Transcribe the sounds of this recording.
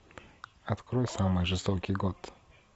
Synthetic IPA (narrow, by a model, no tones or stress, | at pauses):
at̪kɾɔjsamɨjʐɨst̪ɔkʲiɡɔt̪